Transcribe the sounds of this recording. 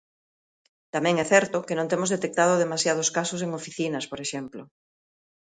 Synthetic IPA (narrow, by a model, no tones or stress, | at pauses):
t̪amɛ̃ŋɛθɛɾt̪ʊkenõnt̪emozðet̪ek̚t̪að̞oðemasjað̞oskasoseŋofiθinɐspoɾeʃɛmplo